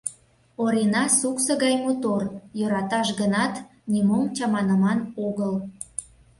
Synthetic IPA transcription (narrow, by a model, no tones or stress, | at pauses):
oɾenɑsuksəɣɑjmot̪orjøɾɑt̪ɑʃɡənɑt̪ | nʲimomt͡ɕɑmɑnəmɑnoɣəl